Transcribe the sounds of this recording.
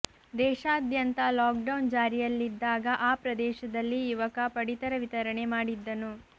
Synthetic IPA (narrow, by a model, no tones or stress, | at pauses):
d̪ɛːʃaːd̪ʱjɐnt̪ɐlaːk̚ɖɐwnd͡ʒaːɾijɐlːid̪ːaːɡɐʔaːpɾɐd̪ɛːʃɐd̪ɐlːijuʋɐkɐpɐɽit̪ɐɾɐʋit̪ɐɾɐɳe̞maːɽid̪ːɐnu